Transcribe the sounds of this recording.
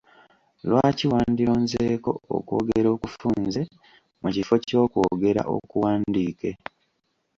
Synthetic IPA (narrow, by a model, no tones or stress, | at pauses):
lwaːciwaːndiɾoːnze̞ːko̞̰o̰koːɡeɾo̞ːkufuːnnze̞ | mucifo̞co̞ːkwoɡe̞ɾa̰ʔo̞̰kuwaːndiːke